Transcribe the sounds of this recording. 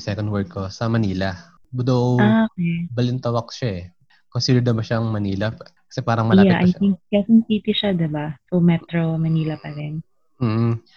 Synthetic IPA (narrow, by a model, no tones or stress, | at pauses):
sɛkond̪̚wɛɹk̚kʰːosɐmɐniːlɐ | wʊd̪owoːkebɐlɪnt̪ɐwɐk̚ʃaʔɛ | konsiːd̪ɛɹd̪ɐbɐʃaʔɐŋmɐniːlɐkɐsɛpaːɾɐŋmɐljaʔɐ̰j̪ɪŋk̚kɛsɐŋsiːt̪ɪʃad̪ɛbasomɛt̪ɾomɐniːlɐpɐɾɛn | m̩ːh̩